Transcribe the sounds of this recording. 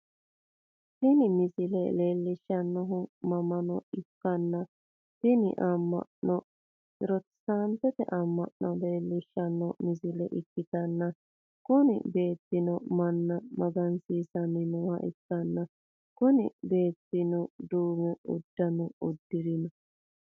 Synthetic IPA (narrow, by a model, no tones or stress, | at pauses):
t̪ɪnɪmɪsɪlɛ̰le̞ːlːɪʃːɐnːɔɦʊmɐmɐnɔɪkːɐnːɐ | t̪ɪnɪ̰ʔamːɐ̰ʔnɔ | ɾɔt̪saːmt̪ɛt̪ɛ̰ʔɐmːɐ̰ʔnɔle̞ːlːɪʃːɐnːɔmɪzɪlɛ̰ʔɪkːɪt̪ɐnːɐ | kʊnɪ̰be̞ːt̪ːɪnɔmɐnːɐmɐɡɐnsiːsɐnːɪnɔːhɐ̰ʔɪkːɐnːɐ | kʊnɪ̰be̞ːt̪ːɪnɔd̪uːmɛʊ̰d̪ːɐnɔʊd̪ːɪɾɪnɐ